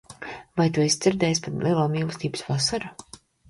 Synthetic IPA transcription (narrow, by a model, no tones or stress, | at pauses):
vajt̪uisd̪z̥iɾd̪ɛːjs̬pat̪lʔiɛlˠaːmiːlˠsʲt̪iːbɨsvasaɾa